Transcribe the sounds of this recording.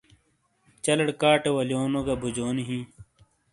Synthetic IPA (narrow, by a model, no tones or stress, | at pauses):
t͡ɕɐlɐɽkaːʈewɐljoːnoɡɐbʱud͡ʑoːniɦĩː